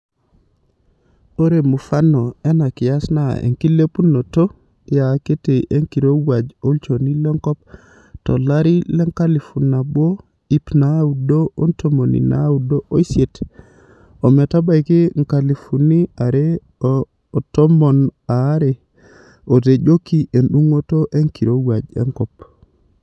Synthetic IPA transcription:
o˦ɾe˨mu˨fa˦no˨ɛ˦na˨kɪ˨ja˦sna˦˨ḛ˨ŋki˦le˦pu˦no˨to˦ | ja˨ke˦te˨ʔe˦ŋki˨ɾo˦wa˨d͡ʒo˦lt͡ʃo˨ni˦le˦ŋkɔ˦p̚ | tɔ̰˨la˦ɾi˦lɛ˦ŋka˦li˨fu˨na˨bwo˦ | i˦pna˨˦u˨do˦o˦nto˦mo˨nḭ˨na̰˦u˨do˦o˦i˦se˨t | o˨me˨ta˦ba˦˨jki˦ŋ̩˨ka˨li˨fu˨ni˦a˨ɾe˦˨ | to˦mo˨na˨˦ɾe˨ | o˨te˨d͡ʒo˦ki˦ʔe˨nɗu˦ŋo˦to˦ʔe˦ŋki˨ɾo˦wa˨d͡ʒḛ˦ŋkɔ˨p

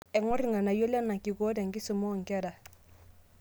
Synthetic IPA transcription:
ɛ˨ŋɔ˦ɾi˨ŋa˨na˨jɔ˦la˦na˨ki˨kɔ˦da˨ŋ˨kɪ˦sɔ˨mɔ˦˨ŋ̩˨kɛ˦da˨

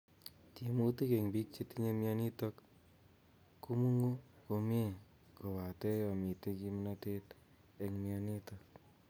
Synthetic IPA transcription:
ti˨mu˦te˦ke˨ŋbi˦k̚t͡ʃi˧ti˦ɲe˧mja˧ni˦to˧k | ku˦mu˦ŋu˦ko˧m˦e˦ | ko˨wa˨tɛ˦jɔ˧mi˨te˦ki˧mi˦na˦te˦t | e˧ŋmja˧ni˦tɔ˨k

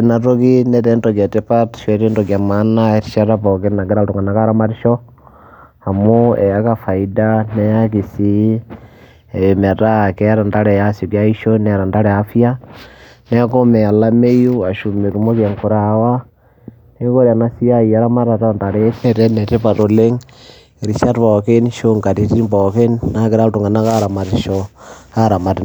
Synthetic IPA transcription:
na˨ɾo˦ki˦nɛte˦nto˨ka˨te˦pa˦tʃɛ˦ɾe˦nto˨kja˨ma˦na˦eti̥ʃa˦ɾapo˨ke˦na˨ɡe˦ɾa˦to˨ŋɡa˨na˨ka˦ɾa˦ma˦ɾi˦ʃɔ˦ | ha˨mo˦e˨jaka˨fa˨idanɛ˦jaki˨si˨ | e˨βe˨me˨ɾakɛa˦ɾa˨nda˦ɾɛ˨jasi˨kja˦i˦ʃo˦ne˨ɾa˨nda˦ɾɛ˨a˨fja˦ | nɛ˦a˦ko˦mɛ˨a˨la˦me˦ju˦a˨ʃu˨me˨ku˨mo˦ke˨ŋku˨ɾawa˦ | ne˦ŋko˦ɾi˨a˨nasi˦a˦ia˦ɾa˦ma˦ɾa˨ta˦nda˨ɾe˦tɛ˦ɾɛ˦nɛ˨te˦pa˨to˨le˦ŋ | ɾi˨sa˦tpɔke˦nʃo˦ŋka˨ti˨ti˦i˦mbɔke˦nnake˦ɾa˦to˨ŋɡa˨na˦ka˦ɾa˨ma˨ti˨ʃɔka˦ɾa˨ma˨ti˨

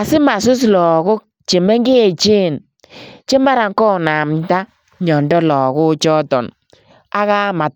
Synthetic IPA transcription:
a˨sɪ˦ma˨sʊ˦s̬lɔ˨ɣʊ˦k̚ | t͡ʃe˨me˦ŋɡe˦e˨t͡ʃe˦˨n | t͡ʃe˦ma˦ɾa˨ŋkɔ˦˨na˨mta˦ | ɲɔ˨ndɔ˦lɔ˨ɣʊ˦t͡ʃɔ˦tɔ̰˨n | a˦ɣa˦ma˨t̚

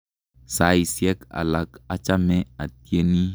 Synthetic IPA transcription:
sa˨i˨sjɛ˦ka̰˨la˨ka˦t͡ʃa˦mɛ˦a˨t̚je˦ni˦

